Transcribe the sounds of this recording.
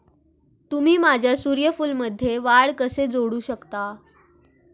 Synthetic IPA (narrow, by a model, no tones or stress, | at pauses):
t̪um̤iːmad͡ʑʱjasuɾjəfuːlməd̪ʱːjeʋaɭkəsed͡zoɽuːɕəkt̪a